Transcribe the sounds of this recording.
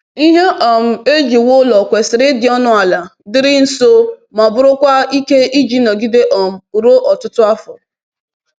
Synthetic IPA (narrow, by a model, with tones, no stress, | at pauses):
i˦ɦe˦ʔɔ˨m̩˦e˦d͡ʒi˨wo˦lɔ˨kʷe˨sɪ˨ɾɪ˦dɪ˨ɔ˦nʊ˦a˨la˨dɪ˦ɾɪ˦n̩˦so˦ma˨bʊ˦ɾʊ˦kʷa˦i˦ke˦i˦d͡ʒi˦nɔ˨ɡi˦de˦ʔɔ˨m̩˨u˨ɾo˦ʔɔ˨tʊ˦tʊ˦a˦fʊ̰˨